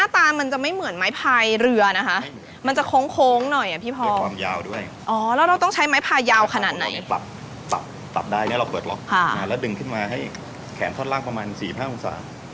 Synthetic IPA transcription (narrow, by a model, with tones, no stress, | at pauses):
naː˥˩t̪aː˧ma˧nt͡ɕa˨˩ma˥˩jmɯ˨˩˦nmaː˦˥jpʰaː˧jɾɯ˧ɐna˦˥kʰa˦˥ʔ | ma˧nt͡ɕa˨˩kʰoː˦˥ŋkʰoː˦˥ŋnɔ˨˩jʔa˨˩pʰiː˥˩pʰɔː˧˥˩waː˧mjaː˧wdu˥˩əj | ʔɔː˨˩˦lɛː˦˥wɾa˧wt̪ɔ˥˩ŋt͡ɕʰa˦˥jmaː˦˥jpʰaː˧jːaː˧wkʰa˧naː˨˩t̪̚na̰˨˧˩jla̰˨˩p̚ | pla̰˨˩p̪̚ː | la̰˨˩p̚daː˥˩jni˦˥˩ɾa˧wpɤː˨˩t̪̚lɔ˦˥k̚kʰa˥˧˩a˧˩lɛː˦˥wdɯ˧˩ŋkʰɯ˥˩nmaː˧ɦa˥˩j | kʰɛː˩˦nt̪ʰɔː˥˩laː˥˩ŋpɾa˧maː˧nsiː˨˩pʰaː˥˩ʔu˧ŋsa̰ː˩˦